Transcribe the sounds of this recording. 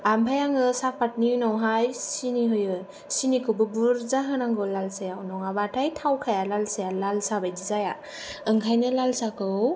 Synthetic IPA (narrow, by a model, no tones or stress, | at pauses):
ambʰajaŋɯsapat̚niɯnɔwɦajsiniɦɯjɯ | sinikʰɯbɯbuɾzaɦɯnaŋɡɯlalsajawnɔŋabatʰajtʰawkʰajalalsajalalsabajdizaja | ɯŋkʰajnɯlalsakɯw